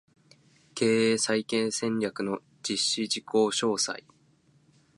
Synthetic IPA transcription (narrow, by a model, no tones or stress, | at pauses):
kʰe̞ːeːsaikẽ̞ɰ̃sẽ̞ɲɾʲakɯ̟no̞ | d͡ʑiɕːiʑiko̞ːɕo̞ːsa̰i